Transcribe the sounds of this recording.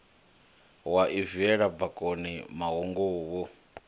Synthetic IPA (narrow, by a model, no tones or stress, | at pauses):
waʔiviɛɺabakʼonimaɦoŋɡowɔ